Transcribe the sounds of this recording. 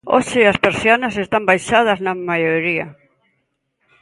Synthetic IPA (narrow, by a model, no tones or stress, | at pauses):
o̰ʃɪɐspeɾsjonɐs̬est̪ambajʃað̞ɐznɐmajoɾiɐ̰